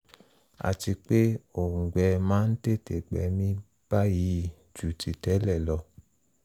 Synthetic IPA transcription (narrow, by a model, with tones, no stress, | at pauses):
a̰˨ti˧k͡pe˦o˨ŋ̩˨ɡ͡bɛ˧mãː˨˦n̩˦te˦˨te˨ɡ͡bɛ̰˨˦mĩ˧ | b̥a˦ji˨˦˨ | d͡ʒu˨ti˨tɛ˨˦lɛ˦˨lɔ˧